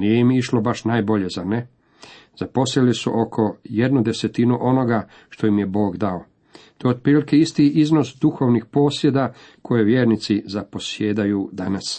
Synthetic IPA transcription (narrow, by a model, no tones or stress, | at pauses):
nijeimiʃlo̞baʃnaːjbo̞ʎe̞zane | z̥apo̞slelisṵʔo̞kʰo̞je̞d̪nud̪eset̪inuʔo̞no̞ɡa | ʃt̪o̞jimje̞bo̞ːɡd̪ao | t̪oeod̪̚pɾiːlikeist̪iʔizno̞sd̪uxo̞ʋnixpo̞ːsje̞d̪a | kʰo̞jeʋje̞ːɾnit̪sizapo̞sjeːd̪ajud̪anas